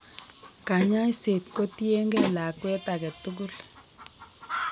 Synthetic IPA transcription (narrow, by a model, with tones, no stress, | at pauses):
ka˨ɲa˦ise˨t̪ko˦t̪je˦ŋɡɛ˦la˨kwɛ˦t̪a˨kɛ˨tu˦ku˦l